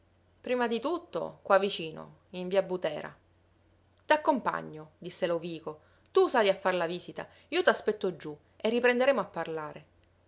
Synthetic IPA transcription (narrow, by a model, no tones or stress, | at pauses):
pɾiːmad̪it̪ut̪ːo̰kwavːit͡ʃiːno̰ | iɱviabut̪ɛːɾa̰ | t̪akːompa̰ɲːod̪isːeloviːko | t̪usajafːarlaviːsit̪a̰ | iːot̪aspɛt̪ːod͡ʒːu | erːipɾend̪eɾeːmoapːarlaːɾe